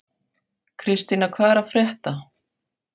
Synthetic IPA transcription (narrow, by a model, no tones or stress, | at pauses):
kʰɾɪst̪inakʰvaːɛɾafɾjɛht̪a